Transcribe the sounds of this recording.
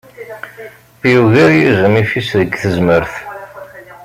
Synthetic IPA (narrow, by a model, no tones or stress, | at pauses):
juvæjizəmifisðəɡθəzməɾθ